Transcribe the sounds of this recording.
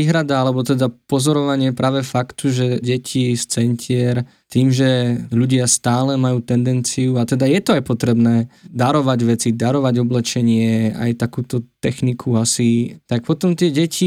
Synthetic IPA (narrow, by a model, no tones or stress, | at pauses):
iːɦɾad̪aalɛbɔt̪ɛd̪apɔzɔɾɔʋaɲɪɛpɾaːʋɛfakt̪uʒɛɟɛcʰist͡sɛncʰɪɛɾ | t̪iːmʒɛʎuɟɪast̪aːlɛmajuːt̪ɛnd̪ɛnt͡sijuat̪ɛd̪ajɛt̪ɔajpɔt̪ɾɛbnɛːd̪aɾɔʋaɟʋɛt͡sid̪aɾɔʋaɟɔblɛt͡ʃɛɲɪɛa̰jt̪akuːt̪ɔt̪ɛxnikʰuasit̪ak̚pɔt̪ɔmt̪ɪɛɟɛcʰi